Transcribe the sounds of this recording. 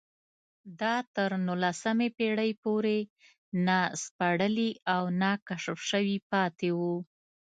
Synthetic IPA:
d̪ɑt̪əɾnulasəmepeɽəjpoɾe | naspaɽəliawnakaʂəfʃəwipɑt̪ewu

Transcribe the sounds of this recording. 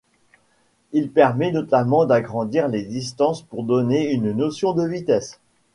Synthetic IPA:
ilpɛʁmɛnɔt̪amɑ̃d̪aɡʁɑ̃d̪iʁled̪ist̪ɑ̃spuʁd̪ɔneynnɔsjɔ̃d̪əvit̪ɛs

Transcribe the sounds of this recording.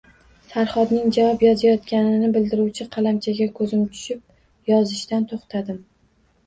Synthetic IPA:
saɾχɒd̪nɪŋd͡ʒavɒpjɒzajɒt̪kʲanɪnɪbɪld̪ɪɾuwt͡ʃʰɪqʰɑlamt͡ʃʰaɡʲakʰɵzɪmt̪ʰʊ̥ʃɪp̚ | jɒzɪʃt̪ant̪ʰoχt̪ʰad̪ɪm

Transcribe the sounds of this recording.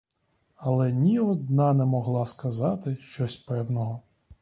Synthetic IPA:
ɐlˠɛnʲiɔd̪nɑnɛmɔɦlˠɑskɐzɑt̪ɪʃt͡ʃɔsʲpɛwnɔɦɔ

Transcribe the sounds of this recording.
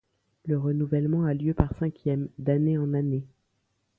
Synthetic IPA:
ləʁənuvɛlmɑ̃aljøpaʁsɛ̃kʲjɛmd̪aneɑ̃nane

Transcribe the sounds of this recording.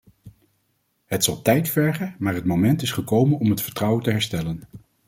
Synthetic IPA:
hətsɑlˠtɛjtfɛɹχəmaːɹɦətmowmɛntɪsχəkowmənɔmɦətfəɹtrʌwəntəɦɛɹstɛlən

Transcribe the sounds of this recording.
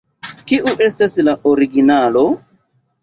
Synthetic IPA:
kiʔuʔe̞staslaʔoɾiɡinalo̞

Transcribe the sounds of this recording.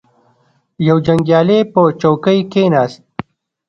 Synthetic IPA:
jɐwd͡ʒɐŋɡjaːlepət͡ʃowkəjkenaːst̪̚

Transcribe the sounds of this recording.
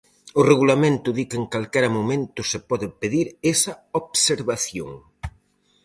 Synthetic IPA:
ʊreɣulamẽnt̪ʊðikeŋkalkɛɾɐmomẽnt̪ʊsepɔðɪpeðiɾesɐoβseɾβaθjo̰ŋ

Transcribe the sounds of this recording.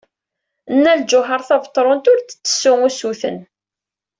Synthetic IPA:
ənːæld͡ʒʊɦəɾˤθɑvt̪ˤːɾˤont̪ʊɾt͡sːə̥t͡sːə̥sːʊŋusuθə̰n

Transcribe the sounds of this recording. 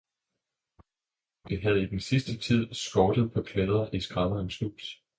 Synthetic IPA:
ʋiɦæðˠid̥ensisd̥ət͡sʰið̞̰ˠsɡ̥ɒːd̥əð̞̩ˠpʰɒ̽kʰʋeðˠɐʔisɡ̥ʁɑ̈mɐnslu̥ːs

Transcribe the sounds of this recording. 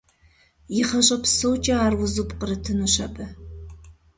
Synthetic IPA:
jɪχɐɕʼɐpsowt͡ʃʼɐaːrwʊzupʼqəɾɨtʰɨnuɕɐpʼɐ

